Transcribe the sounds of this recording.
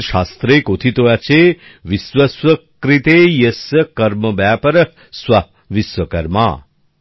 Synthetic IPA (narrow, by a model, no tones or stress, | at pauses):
ʃast̪ɾekot̪ʰit̪ojat͡ʃʰe | ʋisʋəswəkkɾit̪ejəsəkɐɾməbjaːpəɾə | swʋa | ʋisʋəkɐɾma̰ː